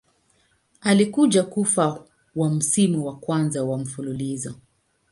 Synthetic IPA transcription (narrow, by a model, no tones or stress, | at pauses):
alikuʄakufa | wam̩simuwakwanzawam̩fululizɔ